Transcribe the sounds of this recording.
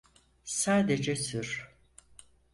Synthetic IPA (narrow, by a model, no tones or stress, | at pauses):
saːd̪ed͡ʒɛsyɾ̥